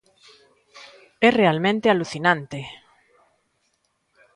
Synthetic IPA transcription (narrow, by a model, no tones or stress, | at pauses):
ɛrealmẽnt̪ealuθinãnt̪e